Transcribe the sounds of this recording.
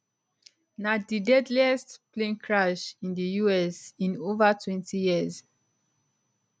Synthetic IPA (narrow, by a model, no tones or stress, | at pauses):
nadidɛdliɛstplẽnkʰɹaʃĩndəjuɛsĩnovatʰwɛ̃ntʰijiəz